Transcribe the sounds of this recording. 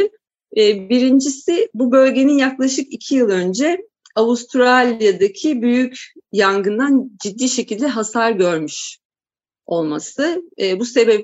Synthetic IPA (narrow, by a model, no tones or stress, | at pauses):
biɾind͡ʒisɪbubø̞lʲɟe̞ninjaklˠaʃɯkicʰijɯlˠø̞nd͡ʒɛ | aust̪ʰɾalʲjad̪acʰibyjycjaŋɡɯnd̪and͡ʒid̪ːiːʃe̞cilʲd̪ɛɦasaɾɟø̞ɾmyʃ | o̞lˠmasɯːbuse̞bɛp